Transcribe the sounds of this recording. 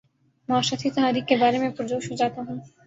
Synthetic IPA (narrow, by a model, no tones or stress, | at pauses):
maːʃat̪ʰit̪oɦaɾikːebaɾemepɾod̪oʃod͡ʑat̪oɦon